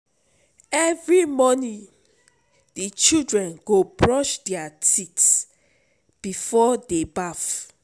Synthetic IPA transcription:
ɛvɹimɔnĩ | dit͡ʃildɹɛ̃nɡobɹɔʃdɛatits | b̥ifɔdebaf

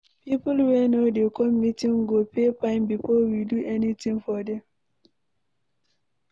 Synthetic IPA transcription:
pipʊlwɛnodekʰɔmitĩŋɡopʰepãɪ̃mbifɔwiduʔɛnitĩŋfɔdɛ̃m

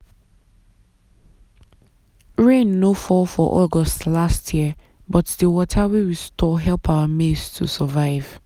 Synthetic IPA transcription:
ɹẽnːofɔfɔʔɔɡɔstlastʰjiə | bɔtdəwɔtʰawiwistʰɔɦɛlˠpʰawəmestʰṵsəvaɪv̥

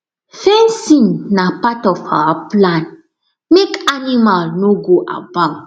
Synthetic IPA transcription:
fɛ̃nsĩnnapatɔfawaplãn | mekanimalnoɡoʔa̰bãŋ

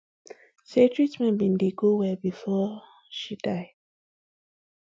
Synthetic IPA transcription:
setʰɹitmɛ̃nbĩndeɡowɛbifɔ | ʃidaɪd̥

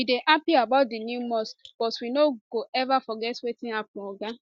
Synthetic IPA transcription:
ideʔapiabat̚dinjumɔsb̥ɔswinoɡoʔɛvafɔɡɛtwetɪŋapʊɔɡa

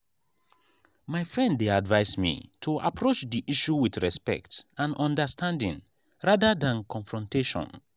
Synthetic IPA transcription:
maɪfɹɛ̃nddeadvaɪsmḭtʰuʔa̰pʰɹot͡ʃdiʔiʃuwiθɹɛspɛ̰k̚tãnɔ̃ndəstʰãndḭ̃ŋ | ɹaðəðãnkʰɔ̃ɱfɹɔ̃ntʰeʃɔ̰̃n

